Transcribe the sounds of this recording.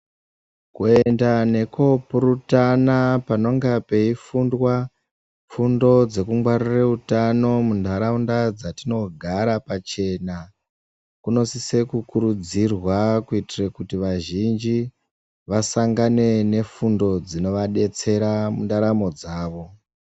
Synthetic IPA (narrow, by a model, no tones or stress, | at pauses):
kue̞ndane̞ko̞puɾutanapano̞ŋɡape̞ifundwa | fundo̞d͡ze̞kumɡwaɾireutano̞mundaɾaundad͡zatino̞ɡʱaɾapat͡ʃe̞na | kuno̞sise̞kukuɾud͡zirwakuitirekutiʋaʒind͡ʒi | ʋasaŋɡane̞ne̞fundo̞d͡zino̞ʋaɗe̞t͡se̞ɾamundaɾamo̞d͡zaːʋo̞